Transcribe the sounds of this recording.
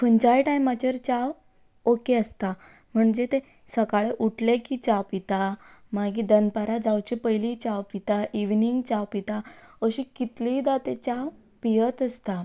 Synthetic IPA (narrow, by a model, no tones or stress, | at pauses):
fənt͡ɕajʈajmat͡ɕəɾt͡ɕaʋ | okeəst̪a | m̤əɳd͡ʑet̪e | səkaɭeʔuʈlekit͡ɕaʋpit̪amaɡid̪ənpaɾad͡zawt͡ɕepəjlit͡ɕaʋpit̪aʔiʋniŋɡt͡ɕaʋpit̪aəɕikit̪lid̪at̪et͡ɕaʋ | pijət̪əst̪a